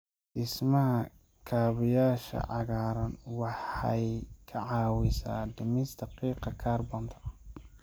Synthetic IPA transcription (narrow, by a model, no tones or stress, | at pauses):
dɪsmɐhɐ | kʰaːβɪjaːʃɐ̰ʕɑɣaːɾɐnwɑħɑjkʰɐʕɑːwɪsa̰ːd̪ɪmɪst̪ɐqiːqɑkʰaːrbɐnt̪ʰɐ̥